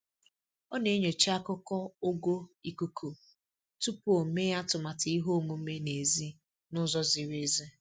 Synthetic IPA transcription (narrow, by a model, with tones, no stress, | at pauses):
ɔ˦ne˨˦ɲo˨t͡ʃi˦a˦kʊ˦kɔ˦ʊ˦ɡo˦i˨ku˦kʰu˨ | tu˦pʊ˦o˨me˦ja˦tʊ˨ma˨tɪ˨˦i˦ɦo˦˨mu˨˦me˦ne˨zi˦ | nʊ˦zɔ˦zi˨ɾe˦ze˦